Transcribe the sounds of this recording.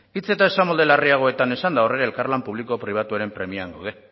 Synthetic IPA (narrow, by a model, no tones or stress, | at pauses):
it͡se̞t̪ae̞samo̞ld̪e̞lariaɣ̞o̞e̞t̪ane̞sand̪ao̞reɾaelkarlampuβ̞liko̞pɾiβ̞at̪uaɾe̞mpɾe̞miaŋɡawðe̞